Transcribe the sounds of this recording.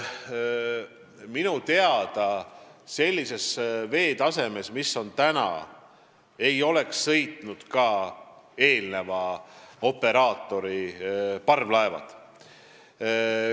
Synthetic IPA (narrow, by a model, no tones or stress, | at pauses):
minut̪e̞ɑd̪̥ɑse̞lʲːise̞sve̞ːt̪ɑse̞me̞smisːo̞nt̪ænɑ̰ | e̞jo̞le̞ksːɤ̞jt̪nud̪̥kɑːe̞ːlne̞vɑo̞pːe̞ɾɑːt̪ːˑo̞ɾipɑrvlɑevɑ̰t̪